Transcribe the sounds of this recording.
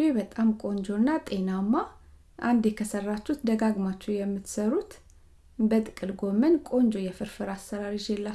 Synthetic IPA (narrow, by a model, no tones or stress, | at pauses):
webət̪ʼamkʼo̞nd͡ʒo̞nːat̪ʼe̞namːa | ʔand̪jɛkʰəsərːat͡ʃːut̪d̪əɡaɡmat͡ʃːujɛmːɨt̪səɾut̪ | bət̪ʼɨkʼɨlɡo̞mənkʼo̞nd͡ʒo̞jɛfɨɾfɨɾasːəɾaɾid͡ʒelːa